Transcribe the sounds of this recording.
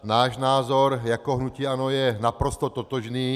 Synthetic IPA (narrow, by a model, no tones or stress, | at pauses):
naːʒnaːzɔɾjakɔɦnuciːanojɛnapɾɔst̪ɔt̪ot̪ɔʒniː